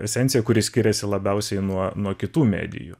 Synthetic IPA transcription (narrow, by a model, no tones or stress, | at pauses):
ɛsʲɛnt̪ʲɪjɛkʊɾʲɪsʲkʲɪɾʲɛsʲɪlˠɐbʲɛʊsʲɛɪnuɔnuɔkʲɪt̪uːmʲæ̰ːd̪ʲɪ̰jṵ